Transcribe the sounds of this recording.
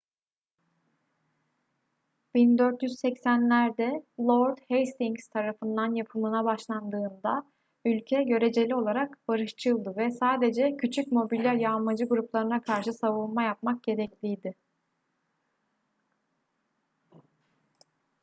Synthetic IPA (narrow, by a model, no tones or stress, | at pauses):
b̥ind̪øɾt̪jyzsɛcsænlʲæɾd̪ɛlˠoɾd̪hejst̪iŋɡst̪ʰaɾafɯnd̪anjapʰɯmɯnabaʃlˠand̪ɯːnd̪a | ylʲcʰɛɟø̞ɾe̞d͡ʒe̞lʲio̞lˠaɾakbaɾɯʃt͡ʃʰɯlˠd̪ɯvɛsaːd̪e̞d͡ʒɛcʰyt͡ʃʰycmo̞bilʲːæɾjamad͡ʒɯɡuɾuplˠaɾɯnakʰaɾʃɯsavulˠmajapmak̚ɟe̞ɾɛclʲijd̪ɪ